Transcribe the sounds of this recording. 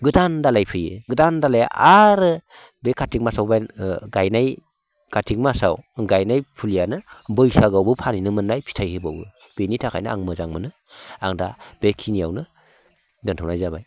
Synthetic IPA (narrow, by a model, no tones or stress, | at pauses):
ɡɯdandalajpʰɯjɯ̰ɡɯdandalajaʔaɾɯ | bekʰatʰik̚masawbajɡajnaj | kʰatʰik̚masa̰wɡajnajpʰulijanɯbɯjsaɡawbɯpʰaninɯmɯnːajpʰi̥tʰajhɯbawɯ̰ | b̥enitʰakʰa̰jnɯaŋmɯzaŋmɯnɯ | aŋdab̥ekʰinija̰wnɯ | dɯntʰawnajzabaj